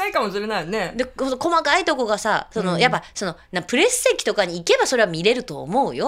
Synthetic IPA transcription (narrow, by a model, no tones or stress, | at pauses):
aikamo̞ɕiɾe̞nained̪ehõt̪oko̞makait̪o̞ko̞ɡasa̰so̞no̞jap̬ːaso̞no̞nãpɯ̟ɾe̞sɨ̥se̞kʲi̥t̪o̞kaɲ̟iːke̞baso̞ɾe̞βamʲiɾe̞ɾɯ̟t̪o̞̰ːmo̞ɯ̟jo̞